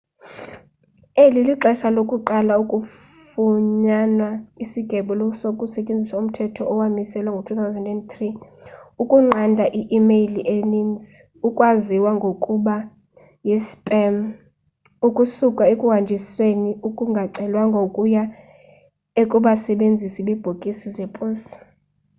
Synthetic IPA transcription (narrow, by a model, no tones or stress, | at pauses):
eliliǃɛʃalokʼuǃalaukʼufuɲanwaisiɡ̥ʱɛɓulsokʼusɛt͡ʃʼend͡zʱisaum̩tʰɛtʰɔɔwamisɛlwaŋɡʱotʰuθʰawzɛndɛnt̪riukʼuŋ͡ǃandʱaʔiʔimejliʔenind͡z | ukʼwaziwaŋɡʱokʼuɓa | jispʼɛm | ukʼusukʼaekʼuɦand͡ʒʱisweniukʼuŋɡʱaǀɛlwaŋɡʱokʼuja | ekʼuɓasɛɓend͡zʱisiɓib̥ʱokʼisizepʼuːsi̥